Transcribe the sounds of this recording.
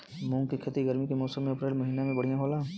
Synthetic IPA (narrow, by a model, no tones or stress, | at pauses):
mũŋkekʰet̪iɡəɾmikemɔːsəmːẽɐpɾeːlməɦinamẽbəɽ̤ijãɦolaː